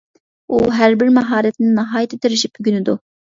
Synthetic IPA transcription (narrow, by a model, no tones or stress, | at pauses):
uɦæɾbɪɾmɑɦɑːɾɛt̪nɪnɑɦɑːjɪt̪ʰɛt̪ʰɪɾɪʃip̚byɡʲynɪd̪u